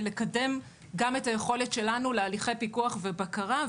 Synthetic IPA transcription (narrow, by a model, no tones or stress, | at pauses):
lekade̞m | ɡame̞taje̞χo̞le̞tʃe̞lanulealiχe̞jpikuaχve̞bakaʁa